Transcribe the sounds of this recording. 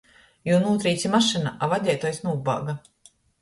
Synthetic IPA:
junuːt̪ɾiːt̪sʲimaʃɨnaʔavad̪ʲɛjt̪ɔjsnuːba̰ːɡa

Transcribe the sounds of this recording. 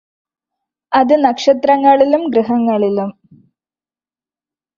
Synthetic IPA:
ɐðɨnɐkʂɐt̪rɐŋːɐɭilumɡɾɨɦɐŋːɐɭilum

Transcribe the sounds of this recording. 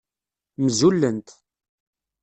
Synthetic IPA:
mzulːənt̪

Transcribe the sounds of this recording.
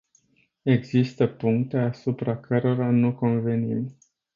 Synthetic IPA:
e̞ɡzist̪əpuŋkt̪e̞asupɾakʰəɾo̞ɾanuko̞nve̞nim

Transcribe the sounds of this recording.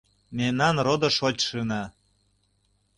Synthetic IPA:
memnɑnrod̪ɤ̆ʃot͡ɕʲʃɯnɑ

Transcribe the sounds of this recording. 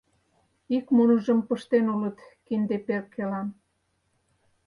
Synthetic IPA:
ikmonəʒəmpəʃt̪enulət̪kind̪eperkːelɑn

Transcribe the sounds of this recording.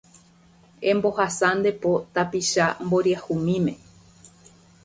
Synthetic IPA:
ẽmbo̞hasand̪e̞pot̪apiʃamboɾiahumĩmẽ̞

